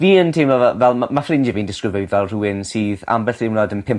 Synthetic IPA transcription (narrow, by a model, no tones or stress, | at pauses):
viːəntʰewnɔvɛvɛlˠamafrɪnd͡ʒɪviːndɪskrɪveɨðɔlˠruwɪnsiːða̰mbɛɬd̥ewnɔdənpʰɪm